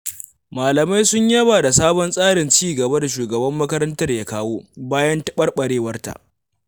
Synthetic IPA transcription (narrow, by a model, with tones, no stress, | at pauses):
maː˨lɐ˨ma˦jsʊ˦ɲjɐ˦baː˨da˨saː˦bɔ˦nsʼaː˦ɽɪ˨nt͡ʃiː˦ɡɐ˨ba˦da˨ʃ̬uː˨ɡɐ˨bɐ˦mːɐ˦kɐ˦ɾɐ˦ntɐ˦rjaː˦kaː˦woː˦baː˦jɐ˦ntɐ˦ɓɐ˦rɓɐ˨ɽeː˦wɐ˦rta̰˨ʔ